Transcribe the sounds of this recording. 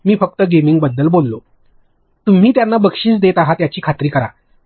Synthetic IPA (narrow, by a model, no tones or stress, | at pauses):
miːfək̚t̪əɡemiŋɡ̚bəd̪ːəlbolːo | t̪um̤iːt̪janːabəkʂiːt͡sd̪et̪aɦat̪jat͡ɕiːkʰat̪ɾiːkəɾa̰